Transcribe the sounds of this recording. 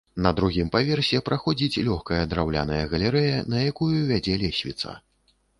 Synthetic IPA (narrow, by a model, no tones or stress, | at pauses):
nɐd̪ɾuɣʲimpavʲɛrsʲɛpɾaxɔd͡zʲit͡sʲlʲɔxkɐjɐd̪ɾawlʲa̰nɐjɐɣɐlʲɛɾɛjɐnɐjakujuvʲad͡zʲɛlʲɛsʲvʲḭt̪sa̰